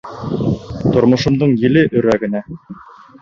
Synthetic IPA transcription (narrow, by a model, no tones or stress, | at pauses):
t̪ŏɾmŏʃɤ̆md̪ɤɴjɘ̆lɘʔɵ̆ɾæɡɘ̆næ